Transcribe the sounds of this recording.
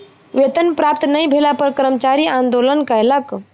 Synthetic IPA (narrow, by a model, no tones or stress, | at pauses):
ʋet̪ənpɾapt̪nəibʱelapəɾkəɾəmt͡ʃaɾiːãnd̪olənkəjlək